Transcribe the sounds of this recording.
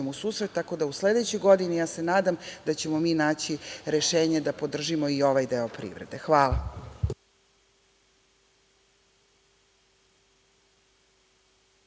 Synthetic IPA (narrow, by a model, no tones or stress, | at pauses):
emusuːsɾet̪ːako̞d̪ausled̪et͡ɕojɡo̞d̪inijaːse̞naːd̪amd̪at͡ɕe̞mo̞miːnaːt͡ɕiɾe̞ʃeːɲed̪apo̞d̪r̩ʒimo̞io̞ʋajd̪eopɾḭʋɾed̪e̞xʋaːla̰